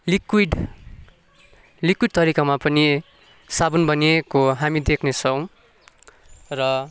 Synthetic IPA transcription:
likiɖ | likwiɖ̚t̪ʌɾikamapʌni | sabʌnbʌniekoɦamid̪ekʰnet͡sʰʌw̃ | rʌ

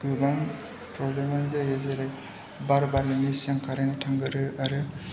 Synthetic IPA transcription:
ɡɯbaŋ | pɾɔblemanzajazeɾaj | baɾbaɾlɯnisaŋkʰaɾanatʰaŋɡɯɾɯaɾɯ

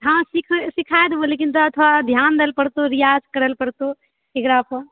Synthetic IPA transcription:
ɦãsikʰsikʰajd̪ʋolekint̪ɔət̪ʰʋad̪ʱjand̪elpəɽt̪oɾijad͡ʒkəɾəlpəɾt̪o | ekɾapə

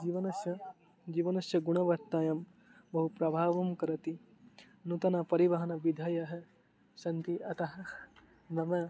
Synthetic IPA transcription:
d͡ʒiʋɐnɐsjɐ | d͡ʒiːʋɐnɐʃjɐɡuɳɐʋɐɾt̪ːaːjɐm | bɐɦupɾɐbʱaːʋɐmkɐɾɐt̪i | nut̪ɐnapɐɾiʋɐɦɐnɐʋid̪ʱɐjɐɦɐ | sɐnt̪iɐt̪ɐɦɐ | nɐmɐ

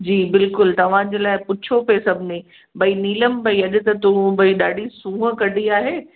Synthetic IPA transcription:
d͡ʑiːbɪlkʊlt̪ɐʋ̤ãd͡ʑeːlaːɪpʊt͡ɕʰopesɐbʱɪnẽ | bʱɐiniːləmbɐiɐɗɪ̆t̪ɐt̪ubɐiɗaːɖisũːəkɐɖʱiaːɦeː

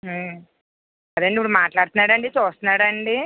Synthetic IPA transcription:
ɐd̪ɐɳɖipːuɽumaːʈlaːɽut̪unːaːɽɐɳɖit͡ʃuːst̪unːaːɽɐɳɖi

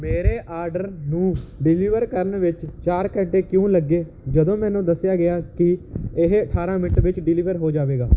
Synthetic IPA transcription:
meːɾeːʔaːɾɖəɾnũːɖɪliːʋəɾkəɾənʋɪt͡ʃt͡ʃaːɾkə̃ɳʈeːkjõːləɡːeː | d͡ʒəd̪õːmɛ̃ːnũːd̪əsːɪjaːɡɪaːkɪɪɦəʈʰaːɾãːmɪʈʋɪt͡ʃɖɪliːʋəɾɦoːd͡ʒaːʋeːɡaː

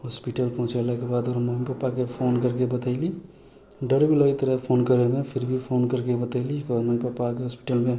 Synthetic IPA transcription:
ɦospiʈəlpɔɦũt͡ʃalakebad̪oɾməɦipəpːakepʰoːnkəɾkebət̪aɪli | ɖəɾbʱiləit̪əɾəpʰonkəɾemẽpʰiɾbʱipʰonkəɾkebət̪əɪlikɔɾməĩpəpːakeɦospi̥ʈəlmẽ

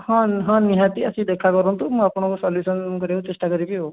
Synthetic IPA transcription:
hãnɦãnːiɦat̪iɐsĩd̪eːkʰakɔɾə̃nt̪um̃ɐpɳõkosɔːljuːsənkəɾeũt̪esʈakəɾipijo

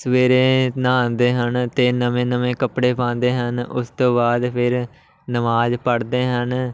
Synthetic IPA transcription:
səʋeːɾeːnãːnd̪eːɦənt̪eːnəmẽːnəmẽːkəpɽeːpãːnd̪eːɦənʊ̰st̪õːbaːd̪pʰɪɾ | nəmaːd͡ʒpəɽd̪eːɦən

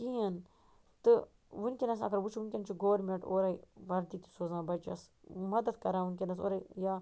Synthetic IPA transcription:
kijɐn | t̪ɨ | ʋunkʲenɐsɐ̰ɡɐɾʋut͡ʃʰʋunkʲent͡ʃʰuɡoʋɾmeɳʈoːɾɐiʋɐɾd̪iːt̪u̥soːzãːbɐt͡ʃɐ̰smɐd̪ɐd̪kɐɾãːʋunkʲenɐso̰ːɾajaː

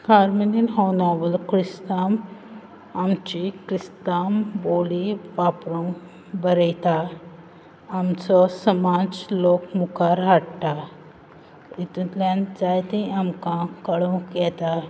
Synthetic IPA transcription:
kaɾmininɦɔnɔbəlkɾist̪am | amt͡ɕikɾist̪amboliʋapɾũŋ | bəɾəjt̪a | mt͡sɔsəmad͡zlokmukaɾɦaɽʈ̪a | it̪ut̪lãnd͡zajt̪ĩamkãkəɭõkjɛt̪a

